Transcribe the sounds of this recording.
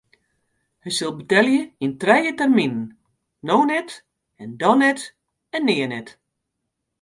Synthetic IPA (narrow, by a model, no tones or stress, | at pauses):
həjsɪlˠbətɛljəintrɛjətɛrminən̩ | nownɛt | ɛndɔnɛt | ɛnːɪːənɛt